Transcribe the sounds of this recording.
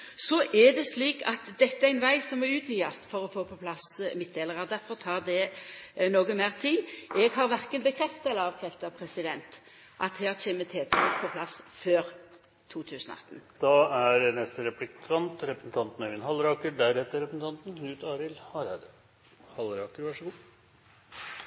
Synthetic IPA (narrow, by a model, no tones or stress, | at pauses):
sɔʔɛd̪ɛsliːkɑt̪d̪ɛt̪ːəææɪnʋæɪsɔmæʉːt̪ʰjyːɑst̪fɔɾɔfoːpʰɔpʰlɑsmɪt̪̚d̪eːləʁɑʁd̪æɾfɔʁt̪ʰɑːʁd̪ɛnoːɡəmeːʁt̪ʰiːɛɡɦɑʁʋæɾkənbəkʰɾɛft̪əlɑːʋkʰɾɛft̪ɑpʰɾɛsɪd̪ɛnt̪ | ʔɑt̪hæːʁc͡çeːmət̪ʰeːt̪ʰɔpʰɔpʰlɑsføːɾ | t̪ʰuːt̪ʰʉːsənɔ̰ɑ̰t̪ːənd̪̥ɑæɾnɛst̪əɾɛplɪkʰɑnt̪ɾɛpɾəsn̩t̪ʰɑnt̪nɛʋɪnhɑlɾɑːkəɖæɾheːt̪əɾɛpɾsn̩t̪ʰɑnt̪n̩nʉːt̪ɑːɾɪlhɑɾd̪ | hɑlɾɑːkəɾʋɑʂəɡuː